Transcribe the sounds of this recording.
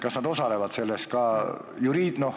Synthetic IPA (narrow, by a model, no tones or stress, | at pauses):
kɑsnɑd̪o̞sɑle̞vɑd̪se̞lːest̪̚kɑː | juɾiːd̪̥no̞h